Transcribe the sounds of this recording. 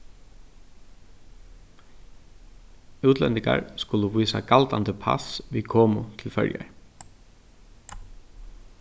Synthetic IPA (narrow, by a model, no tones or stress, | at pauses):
ʉːt̪ʰlɛnt̪ɪŋka̰ɹskʊlʊʋiːsakalt̪ant̪əpʰa̰sʋikʰɔːmʊt̪ʰɪlfœ̰ɹja̰ɹ